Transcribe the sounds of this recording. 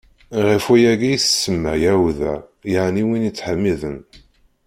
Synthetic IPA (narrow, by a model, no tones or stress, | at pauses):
ʁəfujæɡijθəsːəmːæjæwðæ̰jəʕniwinit͡sːħəmːiðən